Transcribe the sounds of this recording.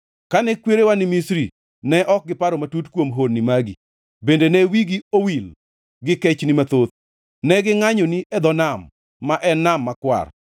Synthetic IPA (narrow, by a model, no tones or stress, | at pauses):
kanɛkweɾewanɪmisɾi | nɛʔɔk̚ɡɪpaɾomatutkwomɦonːimaɡi | bendenɛwiɡiowil | ɡɪkɛt͡ʃnɪmat̪ot̪̚ | nɛɡɪŋaɲoniʔɛd̪ɔnamː | aʔɛnːamːakwa̰r